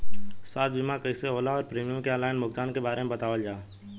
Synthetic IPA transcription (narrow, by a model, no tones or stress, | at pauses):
saːt̪̚bɪmakəiseoːlaɔːɾpɾiːmijəmkeəlaːɪnmʊɡ̚t̪aːnkebaːɾemẽbɐt̪aːʋəld͡ʒaː